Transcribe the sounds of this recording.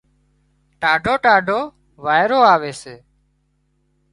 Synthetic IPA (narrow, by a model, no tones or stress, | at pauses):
ʈaːɖʱoːʈaːɖʱoː | ʋaːɪɾoːaːʋeːseː